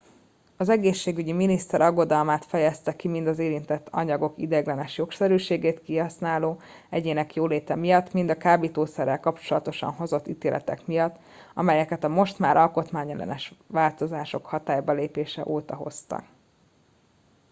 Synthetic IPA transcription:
ɒzɛɡeːʃːeːɡyɟiminist̪ɛɾʔɒɡːo̞d̪ɒlmaːt̪fɛjɛst̪ɛkimind̪ɒzeːɾint̪ɛt̪ʰːɒ̰ɲɒɡo̞kḭd̪ɛɡlɛnɛʃjo̞ksɛɾyːʃeːɡeːt̪kiɦɒsnaːloː | ɛɟeːnɛkjoːleːt̪ɛmijɒt̪ːmind̪ɒkaːbit̪oːsɛɾːɛlkɒpt͡ʃo̞lɒt̪o̞ʃɒ̰nɦo̞zo̞t̪ːit̪eːlʔɛ̰t̪ɛ̰kmijɒt̪ː | ɒmɛjɛkɛt̪ɒmo̞ʃt̪maːɾʔɒlko̞t̪maːɲɛlɛ̰nɛʃʋaːlt̪o̞zaːʃo̞khɒt̪aːjbɒleːpeːʃɛ̰ʔoːt̪ɒɦo̞̰st̪ɒ̰k

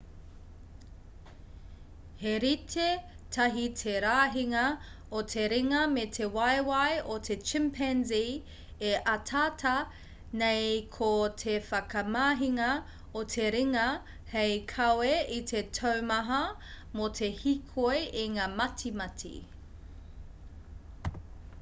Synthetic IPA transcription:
heɾitʰe | tʰɐɦitʰeɾaːɦiŋɐ | otʰeɾiŋɐmetʰe̞wɐjwɐjotʰet͡ʃɪmpʰɛnzi | eʔɐtʰatʰɐ | nejkʰotʰefɐkɐmaːɦiŋɐ | otʰeɾiŋɐ | hejkʰɐweitʰetʰɐwmɐɦɐ | motʰe̞hikʰojʔiŋaːmɐtʰimɐtʰḭ

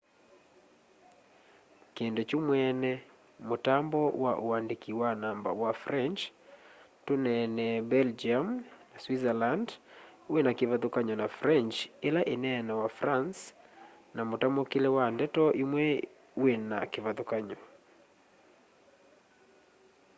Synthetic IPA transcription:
kɛndɛt͡ʃumwɛnɛ | motambɔwaʔuandikiwanamba̰wafɾɛnt͡ʃ | tunɛnɛbɛld͡ʒiamnaswizaland | wɛnakivaðukaɲɔnafɾɛnt͡ʃelaʔinɛːnawafɾans | namotambɔkilɛwandɛtɔʔimwɛ | wɛna̰kivaðukaɲɔ

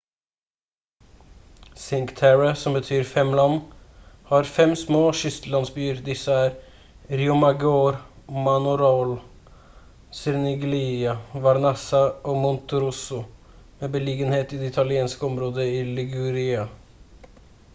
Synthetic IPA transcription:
sɪŋkt̪ʰæɹəsɔmbət̪ʰyːɾfɛmlɑnːhɑːɾfɛmsmoːʃʏst̪lɑnsbyːəɾd̪ɪsəæːɾ | ɾɪʊmɑɡoːɾmɑnʊɾol | sɛɾnɪɡliːɑʋɑɾnɛsɑoːmʊnt̪ʊɾʊsʊ | meːbəliːɡənheːt̪iːd̪ɛɪt̪ʰɑlɪeːnskəɔmɾoːd̪əiːlɪɡʉɾɪɑ

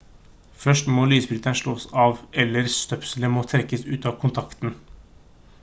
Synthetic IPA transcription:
fœʂʈmoːlyːsbɾʏt̪ənʂɭoːsɑːʋɛlːəɾst̪œpsələmoːt̪ʰɾɛkːəsʉːt̪ɑːʋkʰʊnt̪ʰɑkt̪n̩

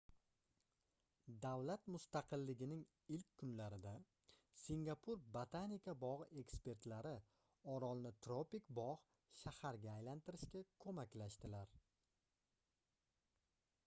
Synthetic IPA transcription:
d̪avlat̪mʊst̪aqʰɨlːɪɡʲɪnɪŋ | ɪlkʲkʰːʊnlaɾɪd̪a | siŋɡapʰʊɾbat̪ʰanikʲʰabɒʁɨe̞kspe̞ɾt̪laɾɪ | ɒɾɒlˠnɪt̪ʰɾopikbɒʁ | ʃahaɾɡʲaːjlant̪ɪɾɪʃkʲakʰɵmakʲlaʃt̪ɪlaɾ

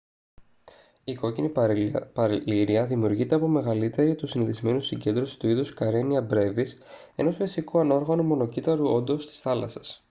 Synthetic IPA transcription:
iko̞cinipɐɾliɾiɐðimiuɾʝit̪e̞ɐpo̞me̞ɣɐlit̪e̞ɾit̪usiniðizme̞nusiɲɟe̞nd̪ɾo̞si̥t̪uiðuskɐɾe̞niɐbɾe̞vise̞̰no̞sfisikuɐno̞ɾɣɐnumo̞no̞cit̪ɐɾuo̞nd̪o̞st̪i̥sθɐlɐsɐ̥s

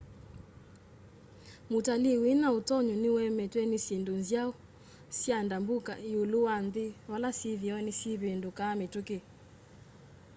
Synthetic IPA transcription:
mutaliwinautɔɲunɪwɛmɛtwɛnisendonzjaɔ | sjandambuka̰joluwandɪwalasiðiɔnisiβendokametuke

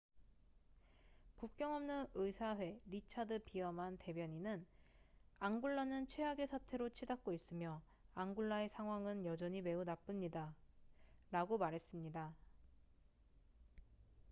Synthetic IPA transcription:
kuk̚k͈jʌŋʌmnɯʔɯisʰaɸwe̞ɾit͡ɕʰadɯpiʌmɦante̞bjʌɲinɯn | aŋɡuɭːanɯnt͡ɕʰwe̞ɦaɡe̞sʰatʰe̞ɾot͡ɕʰidak̚k͈ois͈ɯmjʌ | aŋɡuɭːae̞sʰaŋɦwaŋɯnjʌd͡ʑʌɲime̞unap͈ɯmɲida | ɾaɡomaɾɦe̞s͈ɯmɲida

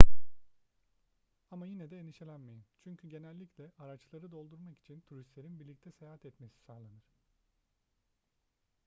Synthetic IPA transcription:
amajinɛd̪ɛːniʃelʲænmejimt͡ʃʰyɲcʰyɟe̞nælʲːiclʲɛʔaɾat͡ʃlˠaɾɯd̪o̞lˠd̪uɾmaki̥t͡ʃʰint̪ʰuɾist̪lʲe̞ɾinbiɾlʲict̪ʰɛse̞jaɦat̪ɛt̪mesi̥saːlˠanɯɾ̥

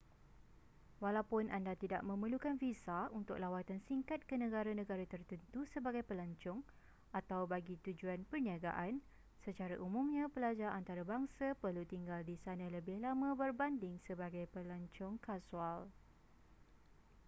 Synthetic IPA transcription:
walapʊnʔandat̪ida̰ʔ̚mə̃məlukanfisaunt̪ʊk̚lawat̪ansiŋkat̪̚kənə̃ɡaɾanə̃ɡaɾat̪ərt̪ənt̪usəbaɡajpəlaɲt͡ʃʊŋ | at̪awbaɡit̪ud͡ʒuanpərniaɡa̰ʔan | sət͡ʃaɾaʔumũmɲə̃pəlad͡ʒaʔant̪aɾabaŋsapərlut̪iŋɡaldisanə̃ləbɪhlamə̃bərbandɪŋsəbaɡajpəlaɲt͡ʃʊŋkasual

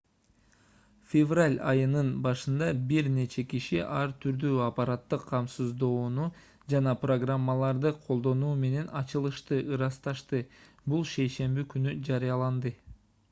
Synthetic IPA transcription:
fʲevralʲɑ̰jɯnɯnbɑʃɯnd̪ɑbiɾne̞t͡ʃe̞kiʃiʔɑɾt̪ʰyɾd̪yːɑpɑɾat̪ːɯqʰːɑmsɯzd̪o̞ːnu | d͡ʒɑnɑpro̞ɡramːalˠɑɾd̪ɯqʰo̞lˠd̪o̞nuːme̞ne̞nʔɑt͡ʃɯlˠɯʃt̪ɯʔɯɾɑst̪ɑʃt̪ɯ | bulˠʃe̞jʃe̞mbikynyd͡ʒɑɾɯjɑlˠɑnd̪ɯ

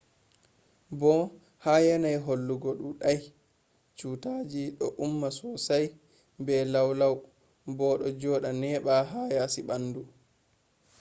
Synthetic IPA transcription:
bɔ | haːjɛnajɦolːuɡɔɗuɗaj | t͡ʃuːtaːd͡ʒiɗɔʔumːasɔsaj | bɛlawlaw | bɔɗɔd͡ʒɔːɗanɛɓaɦajasiɓandu

